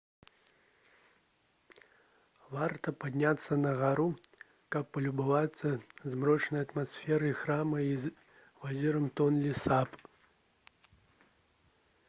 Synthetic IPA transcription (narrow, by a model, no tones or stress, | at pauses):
vart̪ɐpad̪ʲnʲat̪sːɐnɐɣaɾu | kɐpːɐlʲubɨvat̪sːɐzmrɔt͡ʂnɐjɐt̪masfʲɛɾɨixɾamɐi | vazʲiɾɐmt̪ɔnlʲisap